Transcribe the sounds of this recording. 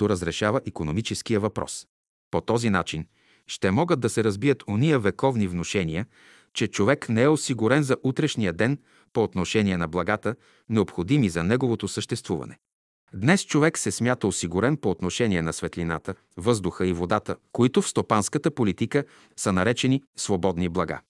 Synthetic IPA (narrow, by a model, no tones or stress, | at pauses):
t̪oɾəzɾɛʃavəʔikonomit͡ʃɛsk̟ijəvɐpɾɔ̰s | pot̪ɔzina̰t͡ʃin | ʃt̪ɛmɔɡəd̪ːɐsɛɾɐzbijət̪ʰonijəvɛkɔvnivnoʃɛniə | t͡ʃɛt͡ʃovɛknɛɛosiɡʊɾɛnzɐʔut̪ɾɛʃniəd̪ɛn | poːt̪noʃɛnʲiɛnɐblˠɐɡat̪ə | nɛopxod̪imizɐnɛɡovot̪osəʃt̪ɛst̪vuvɐ̰nɛ | d̪nɛst͡ʃovɛksɛsmʲjat̪əosiɡuɾɛnpoːt̪noʃɛniɛnɐsvɛt̪lina̰t̪ə | vɤzd̪ʊxəivod̪at̪əkoit̪ʊfst̪opanskət̪əpolit̪ikə | sənɐɾɛt͡ʃɛnisvobɔd̪niblˠɐɡa̰